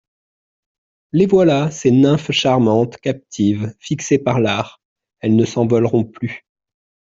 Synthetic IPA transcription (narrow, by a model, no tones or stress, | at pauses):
levwalasenɛ̃fʃaʁmɑ̃t̪kap̚t̪ʰivfiksepaʁlaːʁ | ɛlnəsɑ̃vɔlʁɔ̃ply